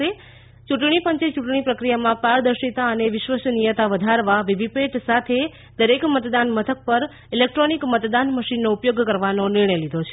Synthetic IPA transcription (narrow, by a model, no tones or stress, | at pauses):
e | t͡ʃuʈɳ̃ipəɲt͡ʃet͡ʃuʈɳ̃ipɾəkɾijamãpaɾd̪əɾʃit̪aəneʋɪʃʋəsnijət̪aʋəd̪ʱaɾʋaʋibʱipeʈsat̪ʰe | d̪əɾekmət̪d̪anmət̪ʰək̚pəɾ | ilek̚ʈɾonikmət̪d̪anməʃinːoupjoɡkəɾʋanonɪɾɳ̃əjlid̪ʱot͡ʃʰe̥